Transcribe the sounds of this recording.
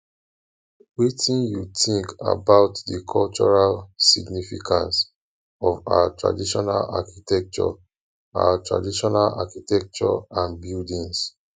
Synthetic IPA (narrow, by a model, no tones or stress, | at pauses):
witĩnjutĩŋka̰baʊtdəkʰɔlt͡ʃɔɹalsiɡnifḭkʰãns | ɔva̰watɹa̰diʃɔnala̰kitɛk̚t͡ʃɔ̰ | a̰watɹa̰diʃɔnala̰kitɛk̚t͡ʃɔãnbildĩns